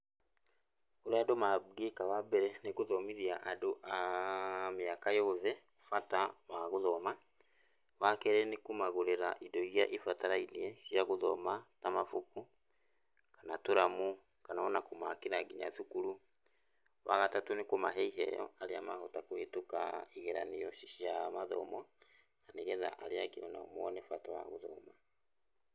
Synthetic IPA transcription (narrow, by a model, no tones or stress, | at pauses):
oɾeadomaɡekawabɛɾɛnekoðɔmiðiaʔadoʔa | meakajɔðɛko̥fatawaɣoðɔma | wakɛɾɛnekumaɣoɾeɾaʔidɔiɾjaʔifataɾainiɛʃjaɣoðɔ̰matamafuku | kanatoɾamu | kanaɔnakomakeɾaɡiɲa̰θukuɾu | waɣatatonekomaɦɛiɦɛ̰jɔ̰aɾeamahotakohetoka̰iɣɛɾaneɔʃjamaðɔ̰mɔ | naneɣɛða̰ʔaɾeakḛɔna̰ɔ̰mwɔnɛfatawa̰ɣoðɔ̰ma